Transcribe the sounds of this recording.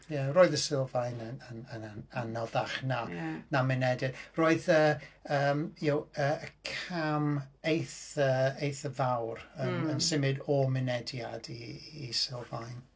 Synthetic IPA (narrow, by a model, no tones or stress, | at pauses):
jaroːɨðəsɪlˠvajnənənənaanɔðaχnanamɪnɛdɪdroːɨðəəmjowəːəkʰamejθəejθəvawrənənsɪmɨdɔmɪnɛdjadiːsɪlˠvajn